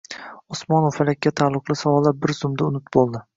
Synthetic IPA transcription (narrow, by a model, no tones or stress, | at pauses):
ɔsmɒnowfalakʲːat̪ʰalˠːʊqlˠɪsawɒlˠabɪɾz̥ʊmd̪aʊnɪt̪bolˠd̪ɪ